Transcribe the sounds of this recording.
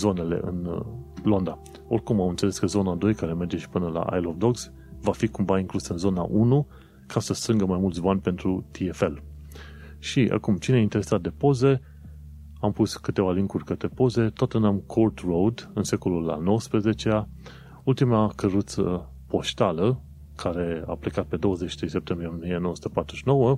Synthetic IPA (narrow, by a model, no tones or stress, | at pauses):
zo̞ne̞le̞̰ʔɨ̰nlo̞nd̪a | o̞rʲkumawɨnt̪se̞le̞skəzo̞nad̪o̞jkaɾe̞me̞rd͡ʒe̞ʃi̥pɨnəla̰ʔa̰jlofd̪o̞ɡs | vafikumvaiŋklusɨnzo̞na̰ʔunu | kʰasəst̪ɾɨŋɡəmajmult̪sʲbanʲpe̞nt̪ɾut̪iefe̞l | ʃiʔa̰kumt͡ʃineaint̪eɾe̞sat̪̚d̪e̞po̞ze̞ | ampuskɨt̪e̞valiŋkurʲkət̪ɾe̞po̞ze̞t̪oat̪ɨnamkʰort̪rowd̪ɨnse̞ko̞lulːa̰no̞wəspɾeze̞t͡ʃea | ult̪imakəɾut̪sə | po̞ʃt̪alə | kʰaɾe̞a̰plikat̪̚pe̞d̪o̞wəzet͡ʃʃi̥t̪ɾejsep̚t̪e̞mbɾienmijenooəsu̥t̪epat̪ɾuʃino̞wə